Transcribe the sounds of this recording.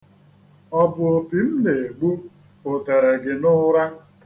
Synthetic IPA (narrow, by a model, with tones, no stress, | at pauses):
ɔ˦bʊ˨o˨pi˨m̩˦ne˨ɡ͡bu˦ | fo˨te˨ɾe˨ɡɪ˨nʊ˦ɾa˦